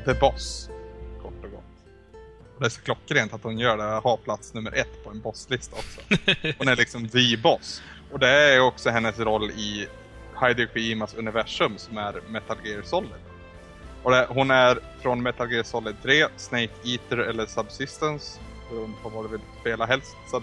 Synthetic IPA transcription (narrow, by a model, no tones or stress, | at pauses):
d̪ɛbɔs | kʰɔʈːɔɡɔ̰t̪ː | ɔd̪ɛæʂɔ̥kʰlɔkːɾeːnt̪at̪hʊnjœːɖɛhaɾpʰlat̪snɵmːə̰ɾʔɛt̪ːpʰɔɛnbɔsːlɪst̪aɔksɔ̥hʊnæɭɪksɔmviːbɔs | ɔd̪ɛææjɔksɔɦɛnːəsɾɔlːɪ | haɪd̪ʊkʰɪiːmasɵnɪvæʂɵmsɔmæɾmɛt̪alɡeɾsɔlːəd̪ | ɔd̪ɛɦʊnæɾfɾɔnmɛt̪alɡeːɾsɔlːət̪ʰɾeːsnɛɪjkiːt̪əɾɛlːəʂabsɪst̪əns | ɔɾʊnfʰɔɾvad̪ɛvɪlspeːlaɦɛlst̪sɔ